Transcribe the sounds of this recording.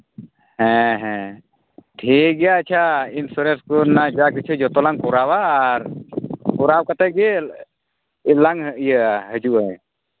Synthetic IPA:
hɛ̃ɦɛ̃ | ʈʰiɡɛjat͡ʃʰainsuɾɛnskɔnad͡ʒakit͡ʃʰud͡ʒɔt̪ɔlaŋkɔɾawaːɾkɔɾawkat̪aɡɛ | laŋjəhəd͡ʒuʔəj

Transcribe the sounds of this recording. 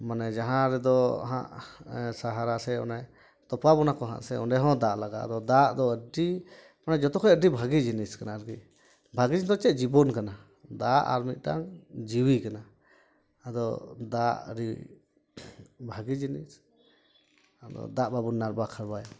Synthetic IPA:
manɛd͡ʒaɦãɾɛd̪ɔɦã̰ʔsaɦaɾasɛɔ̰nɛ | t̪ɔpabɔnakɔɦã̰ʔsɛɔ̰nɖɛɦɔ̃d̪aʔlaɡaa̰d̪ɔd̪aʔd̪ɔəɖi | manɛd͡ʒɔt̪ɔkʰɔəɖibʱaɡid͡ʒiniskanaɾki | bʱaɡid͡ʒd̪ɔt͡ʃɛt̪̚d͡ʒibɔnkana | d̪aʔa̰ɾmit̪̚ˀʈa̰ŋd͡ʒiwikanaː | d̪ɔd̪aʔɾi | bʱaɡid͡ʒinḭs | ad̪ɔ̰d̪aʔbabunːaɾbakʰaɾbaj

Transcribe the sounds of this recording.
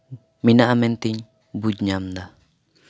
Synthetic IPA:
minaʔamɛnt̪iɲ | bud͡ʒɲamd̪a

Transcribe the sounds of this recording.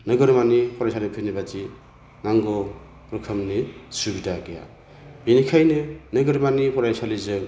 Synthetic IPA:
nɯɡʌɾmanipʰɔɾajsʰalipʰɯnibat͡ʃi | ŋaŋɡo | pɾɯkʰəmnisubitaɡeja̰ | binikʰajnɯnɯɡʌɾmanipɔɾajsalizɯ

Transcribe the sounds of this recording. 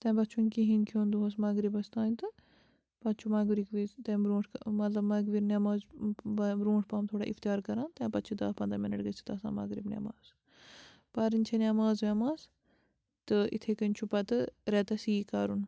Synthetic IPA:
t̪ẽːbɐt̪t͡ʃʰunʲkiɦinkʰjoːnd̪uɦɐsmɐɡɾibɐst̪aːnʲt̪ɨ | pɐt̪t͡ʃʰumɐɡɾikʋizt̪ɐ̃bɾũːʈʰkmɐt̪lɐbmɐɡʋiɾnʲamaːz | bɾũːʈʰpaːmt̪ʰoːɽa̰ːʔḭft̪ijaːɾkɐɾãːnt̪ɐ̃ːpɐt̪t͡ʃʰid̪ɐ̰ːpɐnd̪aminɐʈɡət͡sʰi̥t̪ɐsa̰ːmɐ̰ɡɾibnʲɐ̰ma̰ːz | pɐɾɨnʲt͡ʃʰenʲaːmaːzʋʲemaːs | t̪ɨḭt̪ʰekɐnʲt͡ʃʰupɐt̪ɨɾɛt̪ɐsiːkaːɾun

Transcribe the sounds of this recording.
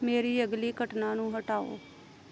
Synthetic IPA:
meːɾiːəɡliːkəʈnãːnũːɦəʈaːo̰ː

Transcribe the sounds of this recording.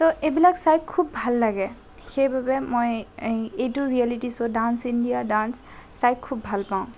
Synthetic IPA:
tɔʔebilaksajkʰubbʱalːaɡɛ | xejbabɛmojejtʊɹialitisʊdansindijadansː | ajkʰubbʱalpaʊ̃

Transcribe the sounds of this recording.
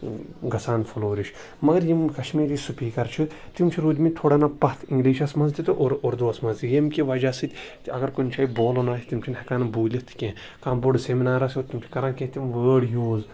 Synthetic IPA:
ɡɐsaːnfʰɐloːɾiʃ | mɐɡɐɾjimkɐʃmiːɾiːsupʲiːkɐɾt͡ʃʰɨt̪imt͡ʃʰiɾuːd̪ʲmit̪ʰoːɽaːnapɐt̪ʰĩŋɡliːʃɐsmɐnzt̪it̪ɨʔoɾoɾd̪uɐsmɐnzijemkʲiʋɐd͡ʒaːsɨt̪ʲt̪ɐɡɐɾkonʲt͡ʃʰɐːiboːlonaːsʲi̥t̪imt͡ʃʰinhɐkaːnɐbuːlʲit̪ʰkʲẽː | kaːmboɽseminaːɾaːsʲoːt̪imt͡ʃʰi̥kɐɾaːnkʲet̪imʋəːɽjoːz

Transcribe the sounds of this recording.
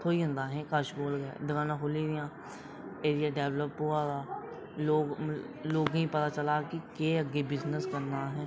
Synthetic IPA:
t̪ʰoːiːʊ̃nd̪aːɦɛ̃ːkəʃboːlɡɛ̰d̪ɪɡaːnãkʰʊliːd̪ɪjãː | eːɾijaːɖɛːʋləpɦoːaːd̪aː | loːɡ | loːɡĩːpət̪aːt͡ʃəlaːkikeːəɡebɪznəskəɾnaːɦɛː

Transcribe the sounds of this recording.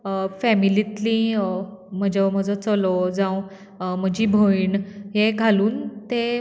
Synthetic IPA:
fɛmilit̪lĩ | m̤əd͡ʑam̤əd͡zot͡səlod͡zãw | m̤əd͡ʑiːbʱoinɦeɡʱaluːnt̪e

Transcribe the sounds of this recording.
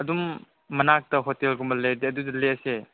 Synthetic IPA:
ɐdumː | ɐnak̚tɐɦotelɡumɐlejdeɐdudɐleɐse

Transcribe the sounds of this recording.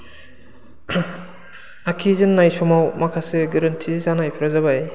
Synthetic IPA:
akʰizɯnːajsɔmawmakʰasɯɡɯɾɯntʰizanajpʰɾazabaj

